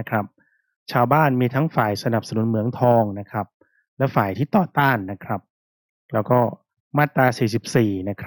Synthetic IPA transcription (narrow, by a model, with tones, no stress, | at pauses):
kʰɾa˦˥p̚ | t͡ɕʰaː˧wbaː˥˩nmiː˧t̪ʰa˦˥ŋfaː˨˩jsa˧na˨˩p̚sa˧nu˩˦nmɯ˨˩˦əŋt̪ʰɔː˧ŋna˦˥kʰɾa˦˥p̚ | lɛ˦˥faː˨˩jt̪ʰiː˥˩t̪ɔː˨˩t̪aː˥˩nːa˦˥kʰɾa˦˥p̚ | lɛː˦˥wkɔː˥˩ | maː˥˩t̪ːɾaː˧siː˨˩s̬i˨˩p̚siː˨˩na˦˥kʰ